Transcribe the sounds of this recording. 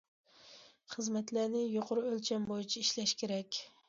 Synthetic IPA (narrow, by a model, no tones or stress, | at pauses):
χəzmɛt̪lænɪjoqʊɾɨølt͡ʃʰɛmbojit͡ʃʰiiʃlɛʃkʲʰeɾɛkʲ